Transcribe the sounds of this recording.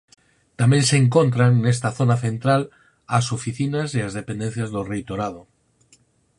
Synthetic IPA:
t̪amenseŋkont̪ɾanːest̪aθonaθẽ̞nt̪ɾal | asofiθinasiazðepend̪enθjazðorejt̪oɾað̞o

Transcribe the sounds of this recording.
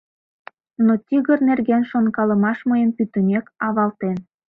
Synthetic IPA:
not̪ʲiɣərnerɣenʃonkɑləmɑʃməjəmpyt̪əmekɑβɑlt̪en

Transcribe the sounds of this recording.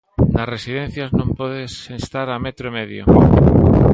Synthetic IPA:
nasresiðẽn̟θjaznõmpoðesest̪aɾamet̪ɾoemeðjo̰

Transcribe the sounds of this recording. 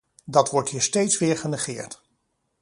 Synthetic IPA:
dɑtʋɔɹtɦiːɹstejtsʋɪːɹχənəχɪːɹt

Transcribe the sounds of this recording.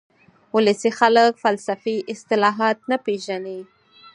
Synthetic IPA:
ʊləsixaləkfalsafiʔɪst̪ɪlɑɦɑt̪̚napeʒane

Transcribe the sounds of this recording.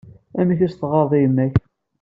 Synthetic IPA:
æmiçæst̪ʁɑɾˤðˤijəmːæç

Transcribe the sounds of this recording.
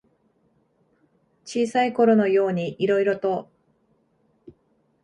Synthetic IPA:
t͡ɕiːsaiko̞ɾo̞no̞jo̞ːɲ̟iʔiɾo̞iɾo̞t̪o̞

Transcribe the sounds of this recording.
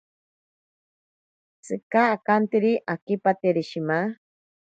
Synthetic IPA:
t͡sɨkaːkant̪iɾiʔakipat̪eɾiʃima

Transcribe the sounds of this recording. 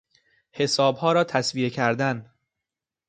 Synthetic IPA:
he̞sɒːbhɒːɾɒːt̪ʰæsvijecʰæɾd̪æn

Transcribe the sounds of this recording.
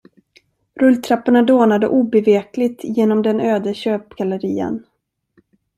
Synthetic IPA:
ɾɵlt̪ʰɾapːaɳad̪oːnad̪ə̰ʔuːbɛveːklɪt̪jeːnɔmd̪ɛnøːd̪əɕøːpɡaləɾiːə̰n

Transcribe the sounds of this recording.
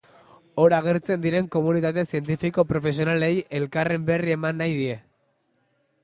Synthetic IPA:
o̞ɾaɣ̞e̞ɾt͡se̞nd̪iɾe̞ŋko̞munit̪at̪̬e̞sie̞nt̪̬ifiko̞pɾo̞fe̞s̬io̞nale̞je̞lkare̞mbe̞rie̞manːajðie̞

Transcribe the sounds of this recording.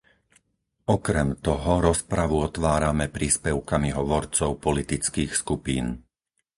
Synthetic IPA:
ɔkɾɛmt̪ɔɦɔɾɔspɾaʋuɔt̪ʋaːɾamɛpɾiːspɛʊkamiɦɔʋɔɾt͡sɔʊpɔlit̪it͡skiːxskupiːn

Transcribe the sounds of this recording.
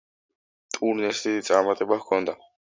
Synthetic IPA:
t̪ʼuɾnɛsiit̪sʼaɾmat̪ʼɛbakʰɔnd̪a

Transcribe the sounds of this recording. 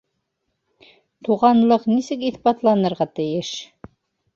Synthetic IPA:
t̪uʁɑnlˠɤqnisɘkiθbɑt̪lˠɑnɤ̆ɾʁɑt̪ɘ̆jɘʃ

